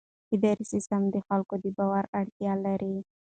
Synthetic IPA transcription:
kid̪aɾisɪst̪amd̪əxalkod̪əbawaɾaɽt̪jɑlaɾi

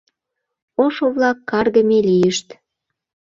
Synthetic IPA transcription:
oʃoβlɑkːɑrdə̆melijəʃt̪

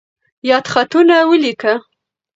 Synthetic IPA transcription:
jɑd̪xat̪unawəlika

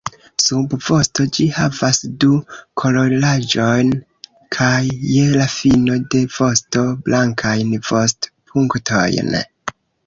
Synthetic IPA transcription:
subvo̞sto̞d͡ʒihavasdukʰo̞lo̞lad͡ʒo̞jn | kʰajːelafino̞de̞v̥o̞sto̞blʔaŋkʰajnv̥o̞stpʰuŋktʰo̞̰jn

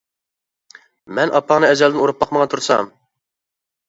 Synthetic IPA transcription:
mɛnʔɑpʰːɑnɨɛzɛld̪ɪnuɾup̚bɑqməʁɑt̪ʰuɾsɑ̰m

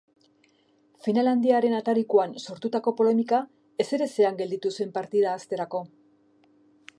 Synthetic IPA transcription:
finaland̪iaɾe̞nat̪aɾikuanso̞ɾt̪ut̪ako̞po̞le̞mika | e̞se̞ɾe̞se̞aŋɡe̞ld̪it̪usue̞mpaɾt̪iðaːst̪e̞ɾako̞

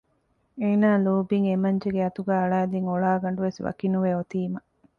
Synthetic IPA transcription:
eːnaːloːbiŋemɐɲd͡ʒeɡeɐt̪uɡæːɐɭaːd̪iŋoɭaːɡɐɳɖuʋesʋɐ̰kinuʋeot̪iːmɐ

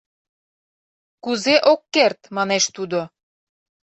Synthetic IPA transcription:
kuzeʔokːert̪mɑneʃt̪ud̪o

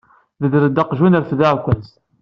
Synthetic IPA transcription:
ðəðɾəd̪ːɑqʒunəɾθðaʕkʷːæz

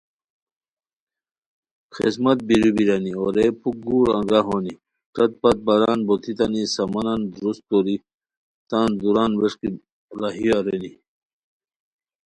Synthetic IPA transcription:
xḛsmɐt̪̚biɾibiɾɐnioɾepuk̚ɡuːɾɐ̰̃ŋɡaɦoni | ʈ͡ʂɐt̪̚pɐt̪̚bɐɾaːnbot̪ʰit̪ɐnisɐmɐnand̪ɾust̪oɾi | t̪aːnd̪uɾaːnʋeʂki | laɦiaɾeni

